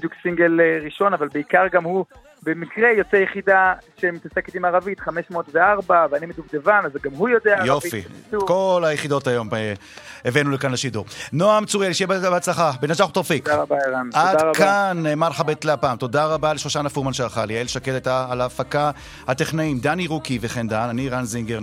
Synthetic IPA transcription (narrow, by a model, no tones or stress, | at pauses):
bid̪juksiŋɡelʁiʃo̞navalbeikaʁɡamhu | bemikʁejo̞t͡sejeχid̪aʃemit̪aseket̪imaʁavit̪χameʃmotveaʁbaveanimet̪ukd̪evanazɡamɦujo̞d̪eaajoavifḭukolajeχid̪o̞tajo̞m | evenulekanleʃiduʁnoamt͡suʁialiʃjebbat͡slaχabenat͡ʃaχut̪oʁfikaabaʁanad̪kanːeːmaʁlχabet̪leapaːmt̪o̞d̪aʁabaleʃloʃanafuʁmanʃeaʁχalielʃaketajt̪aːlaːfaka | hat̪eχnaimd̪aniʁukiveχend̪ananiʁanziŋɡeʁ